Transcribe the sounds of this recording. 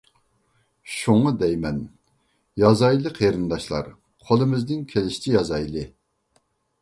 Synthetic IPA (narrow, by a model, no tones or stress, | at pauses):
ʃuŋɑd̪ɛjmɛn | jɑzɑjlˠɨqʰeɾɨnd̪ɑʃlˠɑ̰ɾ | qʰolˠɨmɪznɪŋkʲʰelɪʃi̥t͡ʃʰijɑzɑjlˠɨ